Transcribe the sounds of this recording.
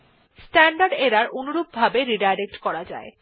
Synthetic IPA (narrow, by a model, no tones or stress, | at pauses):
sʈɛɳɖaɾɖeɾaɾonuɾub̚bʱabeɾiɖajɾek̚ʈkɔɾad͡ʑa̰e